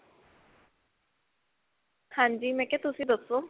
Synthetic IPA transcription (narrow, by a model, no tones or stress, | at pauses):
hãːɲd͡ʒiːmɛ̃ːkɛt̪ʊsĩːd̪əsːoː